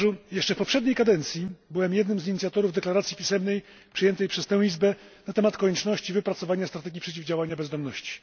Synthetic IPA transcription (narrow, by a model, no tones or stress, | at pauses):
ʐujɛʂt͡ʂɛfpɔpʂɛd̪ɲejkad̪ɛnt̪sʲjibɘwɛmjɛd̪nɘmziɲit̪sʲjat̪ɔɾuvd̪ɛklaɾat̪sʲjipʲisɛmnɛj | pʂɘjɛnt̪ɛjpʂɛst̪ɛ̃w̃lʲizbɛ | nat̪ɛmat̪kɔɲɛt͡ʂnɔɕt͡ɕivɘpɾat̪sɔvaɲast̪ɾat̪ɛɡʲipʂɛt͡ɕivd͡ʑawaɲabɛzd̪ɔmnɔɕt͡ɕi̥